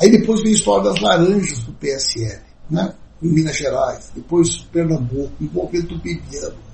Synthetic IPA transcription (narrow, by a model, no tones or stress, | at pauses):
aid̪epojzvẽj̃ist̪ɔɾjɐd̪ɐzlaɾɐ̃ʒɐzd̪ʊpeɛsɪɛlɪnɛ | ẽmĩnɐʒeɾajsd̪epojspeɾnɐ̃bukʊĩbõvẽd̪d̪ʊbebiɐ̃nʊ